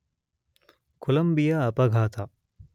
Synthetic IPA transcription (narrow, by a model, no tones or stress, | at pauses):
kulɐmbijaːpɐɡʱaːt̪ʰa